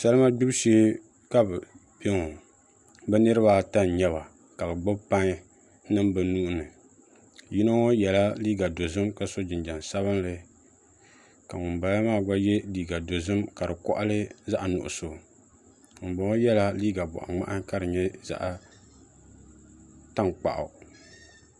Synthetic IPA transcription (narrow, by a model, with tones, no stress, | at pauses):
sa˦lɨ˦ma˦ɡ͡bu˦bʃeː˦ | ka˦b | be˦ŋo˨ | bɛ˦nɨ˦ɾɨ˦ba˦ta˦n˨ɲɛ˦βa˨ | ka˨bɨ˨ɡ͡bʊ˦bpa˦ŋ˦ | nɨ˦mbɨ˨nu˦ʔʊ˦nɨ˨ | ji˦no˦ŋo˦jɛ˨la˦liː˦ɡa˨do˨zɨ˦mka˨so˦d͡ʒɪ˨nd͡ʒa˨nsa˦βɨ˦nlɨ˨ | ka˨ŋʊ˨mba˨ja˦maː˦˨ɡa˦jɛ˦liː˦ɡa˨do˨zɨ˦mka˨ɾɨ˨kɔ̰˦ʔa˦lɨ˦za˦ʔa˨nʊ̰˨ʔʊ˨so˨ | ŋʊ˨mba˨ŋo˦jɛ˦la˦liː˦ɡa˨bɔ̰˨ʔa̰˨ŋ͡ma̰˦ʔa˦ŋka˦ɾɨ˨ɲɛ˦za̰˦ʔa˨ | ta˦ŋk͡pa̰˨ʔa̰˨